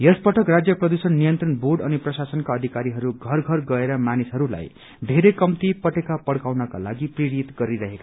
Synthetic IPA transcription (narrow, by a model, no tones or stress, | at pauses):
jespʌʈʰʌkrad͡zjʌprʌd̪usʌnːijʌnt̪rʌnborɖʌniprʌsasʌnkaʌd̪ʱikaɾiɦʌɾuɡʱʌrɡʱʌrɡʌeɾʌmanisɦʌɾula̰j | d̪ʱeɾekʌmt̪ipʌʈekapʌɽkawnʌka̰la̰ɡipriɾit̪ɡʌɾiɾʌɦeka